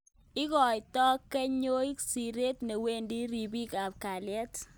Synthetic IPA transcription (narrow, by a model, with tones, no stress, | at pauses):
ɪ˦kɔ˨jtɔ˦kːɛ˦ɲo˦jksi˨ɾe˦tne˨we˦ndi˦ɾi˨bi˦ka˨p̚ka˨lɛ˦t